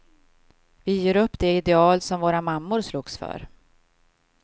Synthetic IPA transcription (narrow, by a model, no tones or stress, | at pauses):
vɪjeːɾɵpːd̪ɛɪd̪ɛɑːlsɔmvoːɾamamːʊɾsluːɡsfœ̰ɾ